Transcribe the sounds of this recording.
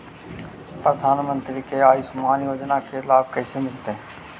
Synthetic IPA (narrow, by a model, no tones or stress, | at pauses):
pɾəd̪ʱaːnmə̃nt̪ɾikeaːisʊmaːnjoːd͡ʒnakeɪlaːb̚kəːsemɪlt̪e